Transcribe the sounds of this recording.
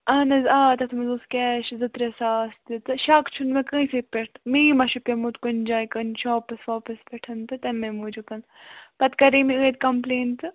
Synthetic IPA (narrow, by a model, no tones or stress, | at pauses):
ɐːnɐzaːt̪ɐt̪ʰmɐzuːskʲɛːʃzɨt̪ɾesaːsd̪it̪ɨʃaːkt͡ʃʰunmɐkə̃sipʲeʈʈ̪miːmɐʃupʲemut̪kund͡ʒaːjkɐnʃoːpɨsʋaːpɐspʲeʈʰɐnt̪ɨt̪ɐmemud͡ʒukɐn | pɐt̪kɐɾiːmiəːt̪̚kɐmpleːnt̪ɨ